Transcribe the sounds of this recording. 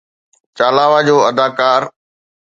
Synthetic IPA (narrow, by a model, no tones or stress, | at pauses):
t͡ɕaːlaːʋad͡ʑoːɐd̪aːkaːɾ